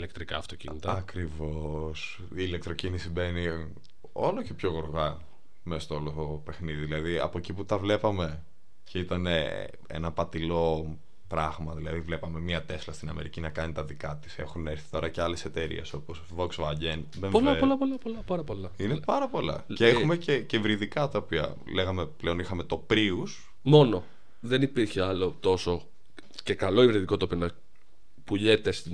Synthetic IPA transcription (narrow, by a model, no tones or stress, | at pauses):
ilek̚t̪ɾikɐ̰ːft̪ocḭnit̪ɐɐkɾivo̞s | iːlek̚t̪ɾocinisibe̞ni | o̞loce̞pço̞ɣoɾɣɐ | mesɐst̪ooloope̞xniðiðilɐðiɐ̰poeciput̪ɐvle̞pɐme̞ | ceit̪ɐne | ḛnɐpɐt̪ilo̞ | pɾɐɣmɐðilɐðivle̞pɐme̞mɲɐt̪e̞slɐst̪inɐme̞̰ɾicinɐkɐnit̪ɐðikɐt̪i̥se̞xuneɾθi̥t̪o̞ɾɐceɐlese̞t̪eɾḭe̞so̞posvoksvɐɟenðepolɐpolɐpolɐpolɐpɐɾɐpo̞lɐinepɐɾɐpo̞lɐ̰ceexumececevɾiðikɐt̪ɐopiɐ̰ | leɣɐmepleo̞nixɐme̞t̪o̞pɾius | mo̞no̞ | ðenipiɾçeɐlo̞t̪o̞so̞ | ce̞kɐlo̞ivɾiðiko̞t̪opinɐ | puʎet̪es